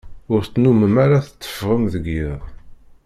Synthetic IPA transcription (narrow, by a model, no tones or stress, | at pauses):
ʊɾθt͡sːnuməmaɾaθət͡sːə̥fʁəmðəɡjiðˤ